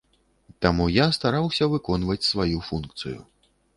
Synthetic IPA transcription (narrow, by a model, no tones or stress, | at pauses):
t̪amujast̪aɾawsʲɐvɨkɔnvɐt͡sʲsvajufunkt̪sɨjṵ